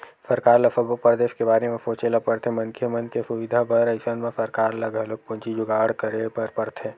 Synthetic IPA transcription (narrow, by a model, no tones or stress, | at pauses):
sɐɾkaːɾlɐfəbopɐɾd̪eːʃkebaːɾemẽfoːt͡ʃelapɐɾt̪ʰemɐ̃nkʰemɐnkesʊʋɪd̪ʱabɐɾɐɪʃənmẽsɐɾkaːɾlɐɡɐlok̚pʊ̃nt͡ʃid͡ʒʊɡaːəɽkəɾepɐɾpɐɾt̪ʰẽː